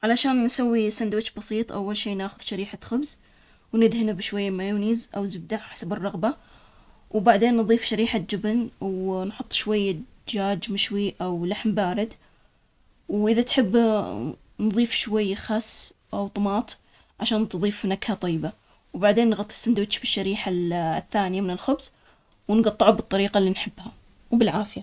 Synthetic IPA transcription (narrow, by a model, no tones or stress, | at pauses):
ʕalaʃaːnːsawːisand̪wɪt͡ʃbɑsˤiːt̪ˤʔawːalʃiːnaːxʊðʃaɾiːħaxʊbz | wnɪd̪hɪnabʃwajːamajuːniːzʔawzʊb̚d̪aʕħḁsabɨrˤːɑɣba | wbaʕd̪eːnːðˤiːfʃaɾiːħad͡ʒɪbnwnħʊt̪ˤːʃwajːa | d͡ʒaːd͡ʒmɪʃwiʔawlaħmbaːɾɪd̪ | wʔɪðat̪ħɪbː | nðˤiːfʃwajːxɑsː | ʔawt̪ˤmɑːt̪ˤ | ʕaʃaːnt̪ðˤiːfnakhat̪ˤɑjːba | wbaʕd̪eːnːɣɑt̪ˤːɨ̥snd̪wʃbɪʃːaɾiːħaθːaːnɪjamɪnɪlxʊbs | wnɡɑt̪ˤːɨʕabɨt̪ˤːɑɾiːqalːinħɪbːha | wbɪlʕaːfɪja